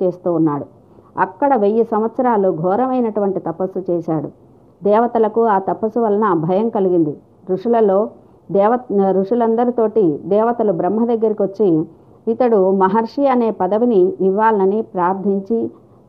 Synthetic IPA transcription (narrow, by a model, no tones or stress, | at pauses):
eːst̪uːnːaːɽu | ɐ̰kːɐɽɐʋejːusɐmʋɐt̪sɐɾaːluɡʱɔːɾɐmɐjnɐʈuʋɐɳʈit̪ɐpɐsut͡ʃɛːʃaːɽu | d̪ɛːʋɐt̪ɐlɐkuaːt̪ɐpɐsuʋɐlɐnɐbʱɐjɐmkɐliɡind̪i | ɾuʂulɐlo̞ː | ɛːɐɾuʂulɐnd̪ɐɾit̪o̞ːʈid̪ɛːʋɐt̪ɐlubɾɐmɦɐd̪ɐɡːɐɾikiʋɐt͡ʃːiː | t̪ɐɽumɐɦɐɾʂiɐne̞ːpɐd̪ɐʋiniːʋːaːlɐnɐnipɾaːɾd̪ʱiɲt͡ʃi